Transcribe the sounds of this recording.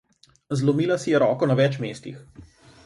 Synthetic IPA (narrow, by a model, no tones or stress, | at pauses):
zlɔmiːlasijɛɾɔːkɔnaʋɛt͡ʃmeːst̪ix